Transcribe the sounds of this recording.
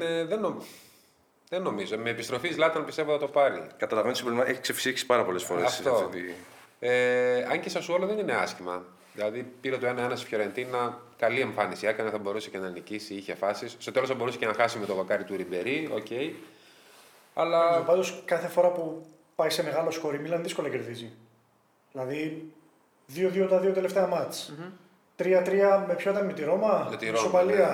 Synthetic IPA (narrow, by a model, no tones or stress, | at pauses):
neðeno | ðenːo̞mizo̞me̞ːpist̪ɾo̞fizlɐt̪ɐnpist̪eot̪ɐt̪o̞pɐɾḭkɐt̪ɐlɐvent̪simbɾolimɐeçi̥ksefsiçisi̥pɐɾɐpo̞lesfo̞ɾeɐsft̪o̞t̪ieɐɲcesɐsuo̞loðe̞nine̞ɐscimɐ | ðilɐðipiɾet̪oe̞nɐe̞nɐsi̥fço̞ɾent̪inɐkɐlie̞ɱfɐnisiɐkɐnɐθɐbo̞ɾusecenɐnicisiiçefɐsisst̪o̞t̪elosθɐbo̞ɾuse̥cenɐxɐsime̞t̪ovokɐɾit̪uɾibe̞ɾioce̞i | ɐlɐpɐnd̪o̞skɐθefo̞ɾɐpu | pɐise̞me̞ɣɐlo̞sxo̞ɾimilɐnðisko̞lɐce̞ɾðizi | ðilɐði | ðio̞ðiot̪ɐðiot̪e̞le̞ft̪eɐmɐt͡s | t̪ɾiɐt̪ɾiɐmepçoit̪ɐnmit̪iɾo̞mɐmit̪iɾsopɐliɐ